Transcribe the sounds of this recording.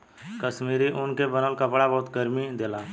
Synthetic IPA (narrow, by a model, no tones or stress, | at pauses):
kəʃmiːɾiʔʊnkebənəlkəpɽabɔːt̪ɡəɾmid̪eːlaː